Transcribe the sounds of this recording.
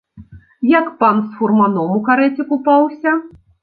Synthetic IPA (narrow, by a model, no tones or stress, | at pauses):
jakpansfurmanɔmukaɾɛt͡sʲikupawsʲɐ